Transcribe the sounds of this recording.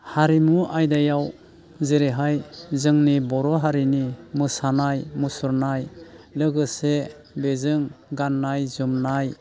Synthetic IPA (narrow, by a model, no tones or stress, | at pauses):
haɾimuʔajdajaw | zeɾeɦajzɯŋnibɔɾɔɦaɾinimɯsanajmusuɾnajlɯɡɯse | bezɯŋɡanːajzumnaj